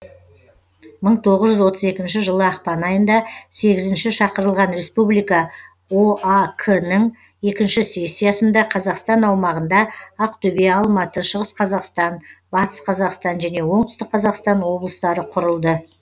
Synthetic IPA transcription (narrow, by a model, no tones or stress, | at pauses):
məɴt̪ʰo̞ʁəzʒʏzwo̞t̪əze̞kʲɪnʃɪʒəlˠəɑqpɑnɑjənd̪ɑse̞ɡʲɪzɪnʃɪʃɑqəɾəlˠʁɑnɾe̞spublijkɑ | oakʰənəɴ | je̞kʲɪnʃɪse̞sʲːijasənd̪ɑqʰɑzɑqst̪ɑnɑwmɑʁənd̪ɑɑq̚t̪ʰɵbeɑlˠmɑt̪əʃəʁəsqʰɑzɑqst̪ɑnbɑt̪ə̥sqʰɑzɑqst̪ɑnʒæne̞wo̞ɴt̪ʏ̥st̪ɪk̚qʰːɑzɑqst̪ɑnwo̞blˠəst̪ɑɾəqʰʊɾəlˠd̪ə